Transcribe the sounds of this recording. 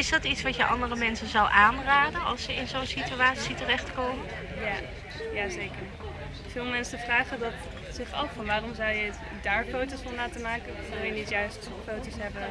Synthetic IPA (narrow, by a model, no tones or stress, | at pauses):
ɪsdɑtitsʋɑtjəʔɑ̰ndərəmɛnsənzɑwʔaːnraːdənɑ̰lˠsəɪnzownsityaːtsitərɛχtkoːmə | ja | jaːzeːkəɹ | v̥ɪːlˠmɛnsəfraːχədɑt | sɪχɔ̰fɑnʋaːrɔmzʌwjə | daːɹfowtosɔmlaːtəmaːkə | ɪlˠjənitjœɥst | fowtosɦɛbən